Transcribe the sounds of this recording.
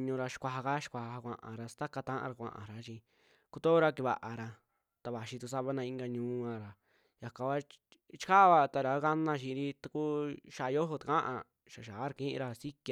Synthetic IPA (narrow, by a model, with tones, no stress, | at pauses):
ɲũ˧ɾa˧ʃi̥˧kʷa˧ɦa˧ka˦ʃi̥˧kʷa˧˨a˧a˧kʷã̰˧ʔã̰˨ɾa˧st̪a˦ka˧t̪ã˦ʔã̰˧ɾa˧kʷã̰˧ʔã̰˨ɾa˨˦t͡ʃĩ˧ | ku˧t̪o˦ɾa˧ki˧βa̰˨ʔa˨ɾa˧ | t̪a˧βa˨ʃi˧t̪u˧s̬a˦βa˧nã˧ĩ˧ŋɡa˧ɲũː˧˦ã˧ɾa˨ | ja˨ka˨ka˦ | t͡ʃi̥˦ka˦˧βa˧t̪a˧ɾa˨˦ka˦nã˧ʃĩ˧ɾi˦t̪a˧ku˦ʃa˧jo˦ɦo˧t̪a˨kã˦ʔã̰˧ | ʃa˨ʃa˨a˦ɾa˧kĩ˦ʔḭ̃˧ɾa˧si˦ki˧